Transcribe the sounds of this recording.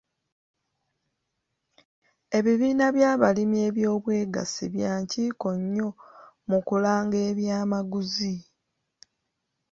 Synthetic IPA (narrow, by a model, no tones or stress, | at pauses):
e̞βiβiːnaβjaːβalime̞ːβjo̞ːβwe̞ːɡa̰siβjaːɲciːko̞ɲːo̞ | mukulaːŋɡe̞ːβjaːmaɡuzi